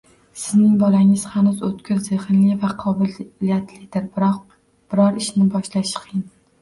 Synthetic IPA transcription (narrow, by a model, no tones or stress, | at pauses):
sɪznɪŋbɒlaŋɪz̥hanʊzot̪kʲʰʊɾzeχɪnlɪvaqʰɒbɪijat̪ʰlɪd̪ɪɾ | b̥ɪɾɒɾɪʃnɪbɒʃlaʃqʰjɪn